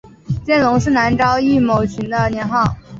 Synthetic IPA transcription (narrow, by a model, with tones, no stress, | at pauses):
t͡ɕjɛ˥˩nlʊ˧˥ŋʂɻ̩˥˩na˧˥nʈ͡ʂɑ˥ʊi˥˩mo˨˩ʊt͡ɕʰy˧˥nd̪ə˧njɛ˧˥nxɑ˥˩ʊ